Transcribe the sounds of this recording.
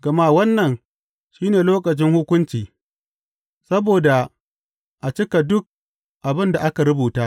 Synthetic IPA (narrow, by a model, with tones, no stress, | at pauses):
ɡ̥ɐ˨ma˦wɐ˦nːɐ˨n | ʃiː˦neː˨loː˦kɐ˨t͡ʃɪ˦ŋhʊ˦kʷʊ˦nt͡ʃiː˨ | sɐ˦boː˨da˨ | ʔa˨t͡ʃɪ˦ka˨dʊ˦k̚ | ʔa˨bɪ˦nda˨ʔa˦ka˨ɾʊ˦buː˨taː˦